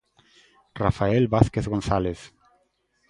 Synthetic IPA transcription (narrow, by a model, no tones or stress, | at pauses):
rafaelbaθkeθɣonθaleθ